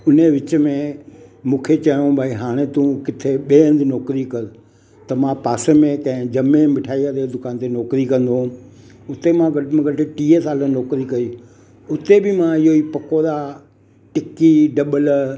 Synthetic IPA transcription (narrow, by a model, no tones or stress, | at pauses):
ʊneʋɪt͡ɕə̆mẽmũːkʰet͡ɕɐjõbʱaːiɦaːɽ̃et̪ũkɪt̪ʰeɓeːə̃nd̪nɔːkɾikɐɾ | t̪ɐmãpaːsemẽkɐ̃ɦɪ̃d͡ʑɐmẽmɪʈʰaːiad̪ed̪ʊkaːnt̪enɔːkɾikɐ̃nd̪õ | ʊt̪emãɡɐm̃ɡʱɐʈɪʈiːesaːlənɔːkɾikɐi | ʊt̪ebɪmãɪɦoipɐkoːɾa | ʈɪkiɖɐɓəl